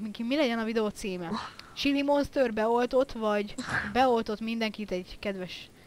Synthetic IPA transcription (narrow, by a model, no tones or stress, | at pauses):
miŋkimilɛɟɛnɒvid̪ɛot̪siːmɛt͡ʃilimonst̪ørbɛo̞lt̪o̞t̪vɒɟbɛo̞lt̪o̞t̪mind̪ɛŋkit̪ɛɟkɛd̪ʋɛʃ